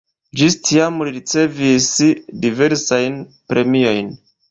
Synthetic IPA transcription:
d͡ʒistʰiamliɾit͡se̞visdive̞ɾsajn | pɾe̞mio̞jn

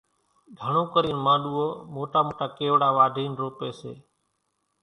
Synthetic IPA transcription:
ɡʱəɳõːkəɾiːnmãːɗuːoːmoːʈaːmoːʈaːkeːʋɽaːʋaːɖ̪ʱiːnɾoːpeːsḛː

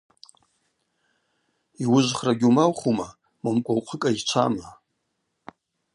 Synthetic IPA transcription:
iwʊʒʷχraɡʲumawχuma | mamkʷʼawqʷʰəkʼait͡ʃʷʰa̰ma

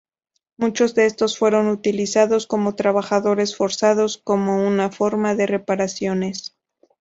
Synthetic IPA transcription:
mut͡ʃo̞zðeest̪o̞sfwe̞ɾo̞nut̪ilisaðo̞sko̞mo̞t̪ɾaβaxaðo̞ɾe̞sfo̞ɾsaðo̞sko̞mo̞unafo̞ɾmaðe̞re̞paɾasjo̞ne̞s

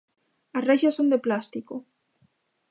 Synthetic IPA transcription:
asreʃasːond̪eplast̪iko

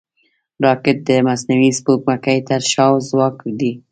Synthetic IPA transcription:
ɾɑkɪt̪̚d̪əmasnawispokmakajt̪aɾʃɑwzwɑkd̪i

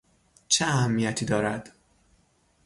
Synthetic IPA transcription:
t͡ʃʰeæhæmːijæt̪ʰiːd̪ɒːɾæd̪̥

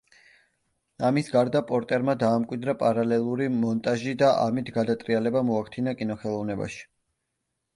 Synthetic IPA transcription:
amisɡaɾd̪apʼɔɾt̪ʼɛɾmad̪aːmkʼwid̪ɾapʼaɾalɛlˠuɾimɔnt̪ʼaʒid̪aʔa̰mit̪ʰɡad̪at̪ʼɾialɛbamɔakʰt̪ʰinakʼinɔχɛlˠɔvnɛba̰ʃi̥

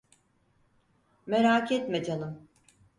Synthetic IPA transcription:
meɾaːkʰɛt̪med͡ʒanɯm

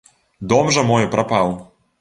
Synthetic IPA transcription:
d̪ɔmʐɐmɔjɛpɾapaw

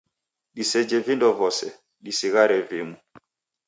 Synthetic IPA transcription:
ɗisɛd͡ʒɛvindɔvɔsɛ | ɗisiɣaɾɛvimu

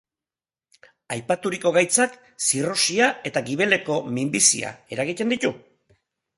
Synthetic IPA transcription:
ajpat̪uɾiko̞ɣ̞ajt͡sak | siro̞siae̞t̪aɡiβ̞e̞le̞ko̞mimbisia̰e̞ɾaɣ̞it̪e̞nd̪it̪u

